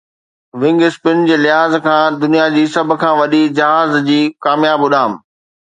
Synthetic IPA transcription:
ʋɪ̃ŋɡɪspɪnd͡ʑeːlɪɦaːzkʰãːd̪ʊnijad͡ʑiːsɐbʱʊ̆kʰãːʋɐɗid͡ʑɐɦaːzd͡ʑiːkaːmjaːbʊɗaːm

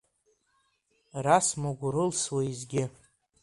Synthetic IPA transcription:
rasmoɡʷʊɾɨlswaizɡʲɪ

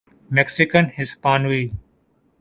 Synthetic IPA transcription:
mɛksɪkənhɪspaːnuiː

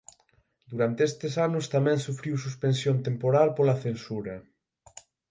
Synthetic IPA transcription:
d̪uɾant̪eest̪esanʊst̪amɛ̃ŋsufɾiwsuspensjont̪empoɾalpolaθensuɾɐ

